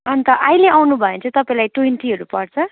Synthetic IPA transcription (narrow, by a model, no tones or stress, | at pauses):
ʌnt̪ʌʔajleawnubʱʌjẽt͡sʰʌt̪ʌpaĩlajʈwenʈiɦʌɾupʌrt͡sʰʌ